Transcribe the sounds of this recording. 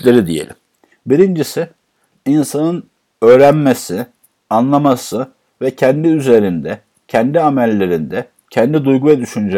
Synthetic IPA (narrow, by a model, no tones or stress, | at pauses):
lʲeɾid̪ijḛlʲim | biɾind͡ʒisɪ | insanɯn | ø̞ːɾænmesi | anlˠamasɯ | vɛcʰɛnd̪iyze̞ɾind̪ɛ | cʰɛnd̪iamælʲːe̞ɾind̪ɛ | cʰɛnd̪id̪ujɡuvɛd̪yʃynyd͡ʒɛ